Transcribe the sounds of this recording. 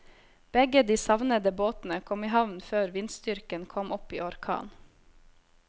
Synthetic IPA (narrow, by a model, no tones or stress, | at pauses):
b̥ɛɡəd̪iːsɑʋnəd̪əboːt̪n̩əkʰɔmiːhɑʋnføːɾʋɪnst̪ʏɾkənkʰɔmʔɔpḭːɔɾkʰɑ̰ːn